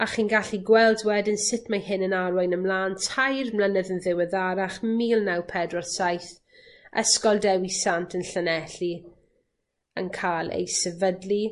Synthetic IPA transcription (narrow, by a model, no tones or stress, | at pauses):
aχiːnɡaɬiɡwɛlˠdwɛdɪnsɪtʰmajhɪnənaɾwɔjnəmlˠaːntʰajrmlˠanəðənðɪwəðaɾaχmiːlˠnawpʰɛdrɔsajθ | ɛ̰skɔlˠdɛwisantʰənɬənɛɬi | ə̰nkʰalˠḛjsɛvədli